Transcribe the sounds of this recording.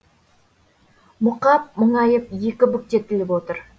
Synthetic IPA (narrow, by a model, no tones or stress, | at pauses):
mʊqɑp̚mʊɴɑjəpje̞kʲɪbʏk̚t̪e̞t̪ːɪlɪpwot̪əɾ